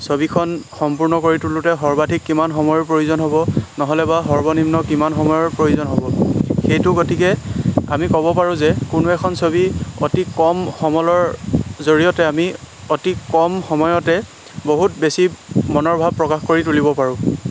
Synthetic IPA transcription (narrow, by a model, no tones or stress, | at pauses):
sobikʰɔnxɔmpuɹnɔkoɹitulutɛɦɔɹbadʱikːimanxɔmɔjɔɹpɹojuzɔnɦobɔnɔɦɔlɛbaɦɔɹbɔnimnɔkimanxɔmɔjɔɹpɹojuzɔnɦobɔxejtʊkotikɛa̰mikɔbɔpaɹʊ̃zɛkʊnuɛkʰɔnsobio̰tikɔmxɔmɔlɔɹzoɹijɔtɛami | otikɔmxɔmɔjɔtɛ | boɦutbesimɔnɔɹbʱab̚pɹɔkaxkoɹitulibɔpaɹʊ̃